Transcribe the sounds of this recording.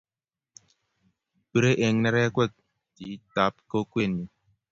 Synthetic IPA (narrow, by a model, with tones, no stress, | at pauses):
bɨ˦ɾe˦ʔe˨ŋnɛ˦ɾɛ˦kwɛ˦˨k̚ | ti˨˦ta˨˦p̚ko˦kwe˦˨nːi˨